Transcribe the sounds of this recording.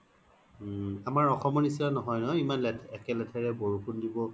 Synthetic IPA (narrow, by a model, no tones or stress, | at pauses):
amaɹɔxɔmɔnis̬lanɔɦɔjnɔimanlɛtʰɛkɛlɛtʰɛɹɛboɹukʰundibɔ